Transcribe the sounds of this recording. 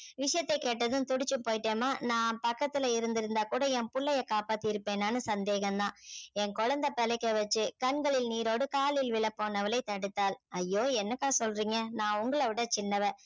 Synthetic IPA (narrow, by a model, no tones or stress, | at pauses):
ʋɪʂɐjɐt̪ːɐɪkːeːʈːɐðɯmt̪ʊɽɪt͡ʃːɯpoːjɪʈːeːmaːnãːpɐkːɐt̪ːɪlɐɪɾɯnd̪ɪɾɯnd̪aːkuːɽɐɛmpʊɭːɐjɐkaːpaːt̪ːɯɪɾɯpːeːnaːnɯsɐnd̪eːɣɐmd̪ãːɛŋkɔɻɐnd̪ɐpɛlɛɪkːɐʋɐt͡ʃːɯkɐɳɡɐɭɪlniːɾoːɽɯkaːlɪlʋɪlɐpːoːnɐʋɐlɐɪt̪ɐɽɯt̪ːaːlɐjːoːɛnːɐkːaːsɔlɾiːŋɡɐnãːʊŋɡɐɭɐʋɪɽɐt͡ʃɪnːɐʋɛ